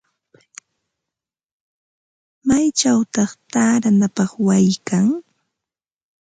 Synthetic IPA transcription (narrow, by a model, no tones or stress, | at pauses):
majt͡ʃawt̪ɑχt̪aːɾanapɑχwajkaŋ